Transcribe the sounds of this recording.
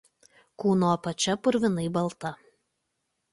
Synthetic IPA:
kuːnoːpɐt͡ʃʲɛpʊɾʲʋʲɪnɐɪbɐlˠt̪ɐ

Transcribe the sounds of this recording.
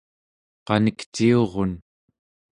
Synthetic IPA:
qɑnəkt͡ʃio̞ʁo̞n

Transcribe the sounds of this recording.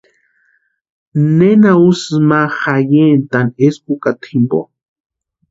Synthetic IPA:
nenausɨmaxajent̪anespukat̪ʰimbo̰

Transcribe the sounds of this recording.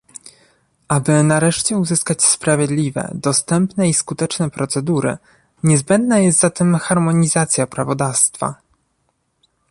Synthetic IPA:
ʔabɘnaɾɛʂt͡ɕɛuzɘskat͡ɕspɾavʲjɛd̪lʲivɛ̰d̪ɔst̪ɛmpnɛiskut̪ɛt͡ʂnɛpɾɔt̪sɛd̪uɾɘ̰ | ɲɛzbɛnd̪najɛst̪zat̪ɘmxaɾmɔɲizat̪sʲjapɾavɔd̪afst̪fa̰

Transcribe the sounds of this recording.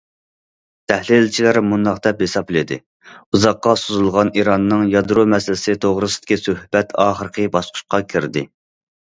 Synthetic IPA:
t̪ʰɛhlilt͡ʃʰilæɾmund̪ɑqd̪ɛphesɑplɪd̪ɪ̰ | uzɑqːɑsuzulˠʁɑniɾɑnːɨŋjɑd̪ɾomɛsɪlɪsɪt̪ʰoʁɾɨsɨ̥d̪̥ɪ̥kʲisøhbɛt̪ʰɑːχəɾəqʰəbɑʃqʰʊ̥ʃqɑkʲʰiɾd̪ɪ

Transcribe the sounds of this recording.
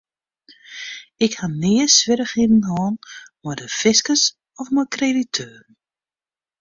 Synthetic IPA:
ɪkhanɪəsʋɪɾəχidn̩ɦɔːnmɔjdəfɪskəs | ɔfmɔkreditʰøːrn̩

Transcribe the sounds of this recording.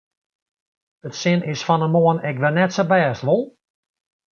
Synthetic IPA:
ətsɪnɪsfɔnəmoənɛkʋɛnɛtsəbɛːstʋolˠ

